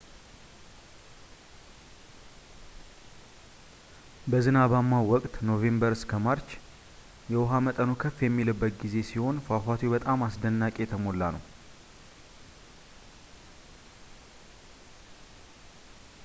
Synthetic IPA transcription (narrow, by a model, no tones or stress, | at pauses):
bəzɨnaβamːawɔkʼt̪no̞ve̞mbəɾskʰəmaɾt͡ʃ | jɛwʊɦamət̪ʼənokʰəfjɛmːilɨbːət̪̚ɡize̞siho̞nfafat̪ʰwebət̪ʼamasd̪ənːakʼe̞t̪ʰəmo̞lːanəw